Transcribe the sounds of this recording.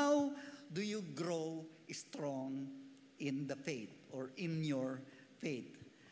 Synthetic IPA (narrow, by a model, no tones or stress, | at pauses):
awd̪ujuɡɾowʔst̪ɹɔ̃ŋ | ʔɪ̃nd̪ɐfejt̪̚ʔɔɹɪ̃njɔɹ | feɪt̪̚